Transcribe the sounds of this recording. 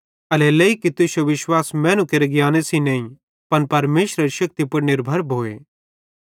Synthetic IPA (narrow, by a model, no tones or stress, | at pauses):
ɐleleikit̪ʊʃjoʋɪʃwaːsmɛ̃ːnũkeːɾeɡjaːnesĩnɐ̃ːĩ | pɐnpɐɾmeːʃɾəɾʃɐk̚t̪ipɐɽnɪɾbʱɐɾbʱoːḛː